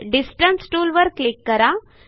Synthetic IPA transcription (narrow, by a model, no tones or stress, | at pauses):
ɖisʈənsʈuːlʋəɾklikːəɾa